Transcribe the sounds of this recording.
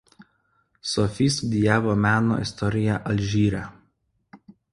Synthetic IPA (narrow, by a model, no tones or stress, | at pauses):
sɔfʲiːst̪ud̪ʲɪjæːʋoːmʲæːno̰ːɪ̰st̪ɔɾʲɪjæʔɐlʲʒʲiːɾʲæ